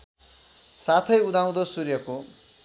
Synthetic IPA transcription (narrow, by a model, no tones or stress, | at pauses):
sat̪ʰʌjud̪ʱaw̃d̪osurjʌko